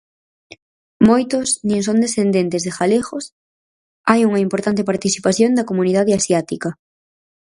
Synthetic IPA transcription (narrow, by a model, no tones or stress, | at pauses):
mojt̪ʊsnĩŋs̬õnd̪esθend̪ent̪ezðexalexos | ajuŋɐimpoɾt̪ant̪̬ɪpaɾt̪iθipaθjond̪ɐkomuniðaðeasjat̪ikɐ